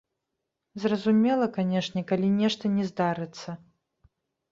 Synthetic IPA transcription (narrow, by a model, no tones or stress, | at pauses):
zrɐzumʲɛlˠɐkanʲɛʂnʲɛkalʲinʲɛʂt̪ɐnʲɛzd̪aɾɨt̪sːɐ